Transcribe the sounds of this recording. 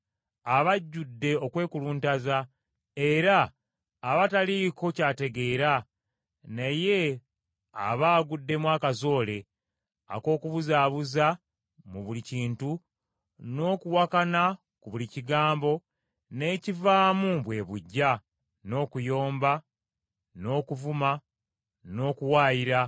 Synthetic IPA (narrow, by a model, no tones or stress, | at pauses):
aβaɟːudːe̞o̞kwe̞ːkuluntaza | e̞ɾaː | βataliko̞caːte̞ɡe̞ːɾa | naje̞ | a̰βaːɡudːe̞mwaːkazo̞ːle̞ | a̰ko̞ːkuβuzaːβuza | muβuliciːntu | no̞ːkuwakana | kuβuliciɡaːmbo̞ | ne̞ːcivaːmuβwe̞βuɟːa | no̞ːkujo̞ːmba | no̞ːkuvuma | no̞ːkuwaːjiɾa